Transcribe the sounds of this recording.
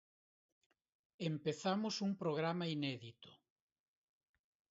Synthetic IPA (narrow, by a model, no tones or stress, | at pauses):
empeθamʊsuŋpɾoɣ̞ɾamainɛðit̪ʊ̥